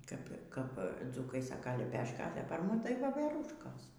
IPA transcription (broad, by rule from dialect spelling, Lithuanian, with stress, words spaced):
ˈkɐp ˈkɐp ˈd͡zuːkɐɪ ˈsɑːkɐ lʲɛˈpʲæːʃkɐ ɐ tɐɪ pɐr ˈmʊm tɐɪ ˈʋoːʋʲɛruːʃkoːs